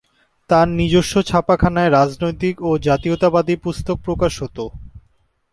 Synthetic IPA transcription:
t̪aɾnid͡ʑoʃːot͡ɕʰapakʰanaeɾad͡ʑnojt̪ikod͡ʑat̪iot̪abad̪ipust̪ok̚pɾokaʃɦot̪o

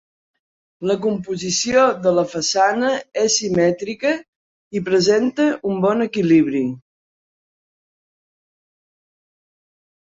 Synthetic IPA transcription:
ləkumpuzisioðələfəsanəɛsːimɛt̪ɾikə | ipɾəzent̪əʔumbɔnəkiliβɾi

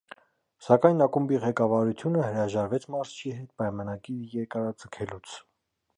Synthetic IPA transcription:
sɑkɑjnɑkumbiʁɛkɑvɑɾut̪ʰjunəhəɾɑʒɑɾvɛt͡sʰmɑɾzt͡ʃʰiɦɛt̪̚pɑjmɑnɑɡiɾjɛɾkɑɾɑd͡zəkʰɛlut͡sʰ

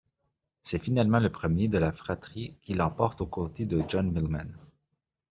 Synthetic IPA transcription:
sɛfinalmɑ̃ləpχəmjed̪əlafχat̪χikʲilɑ̃pɔʁt̪okot̪ed̪əʒɔnmilma̰n

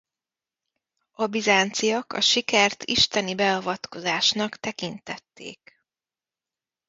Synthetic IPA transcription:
ɒbizaːnt̪sijɒkɒ̰ʃikɛrt̪ʰiʃt̪ɛnibɛɒvɒt̪ko̞zaːʃnɒkt̪ɛkint̪ɛt̪ːḛːk

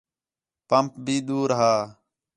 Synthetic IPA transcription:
pəmp̚bʱiːɗ̪uːɾɦaː

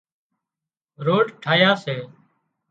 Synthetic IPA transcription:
ɾoːɖʈʰaːjaːseː

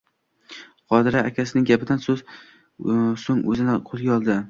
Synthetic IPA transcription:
qʰɒd̪ɪɾaːkʲʰasɪnɪŋɡʲapɪd̪ansɵz | soŋɵzɪnɪqʰolˠɡʲaɒlˠd̪ɪ

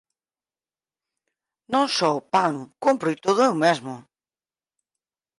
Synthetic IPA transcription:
nõnsɔpanukompɾujt̪oðʊumezmʊ

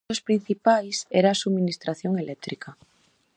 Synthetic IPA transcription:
ospɾin̟θipajseɾaːsuβminist̪ɾaθjoŋelʔɛk̚t̪ɾika

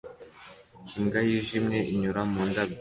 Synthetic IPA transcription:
iŋɡajiʒimɲe̞ʔiɲuɾamuːndab

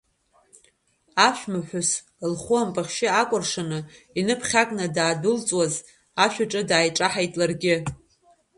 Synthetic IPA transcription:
aʃᶣmaħʷᶣʊs | lχʷuampʼaχʲʃɪakʷʼʊrʂanɨ | inɨpʰχʲakʷʼnadaːdʊlt͡sʼwaz | aʃᶣaʈ͡ʂʼɨdaːjʈ͡ʂʼaħajtʼlarɡʲɪ

